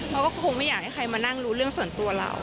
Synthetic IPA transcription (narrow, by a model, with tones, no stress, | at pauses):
lʰa˦˥kɔː˥˩˥ko˧ŋma˥˩jaː˨˩k̚ha˥˩jkʰa˧jmaː˧na˥˩ŋɾuː˦˥ɾɯ˥˩əŋsu˨˩ənt̪u˧ɐla̰˧˩w